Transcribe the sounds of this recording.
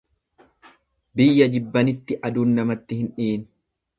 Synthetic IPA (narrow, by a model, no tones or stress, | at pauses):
bɪjːɐd͡ʒɪbːɐnɪt̪ːɪʔɐd̪uːnːɐmɐt̪ːɪhɪnᶑiːn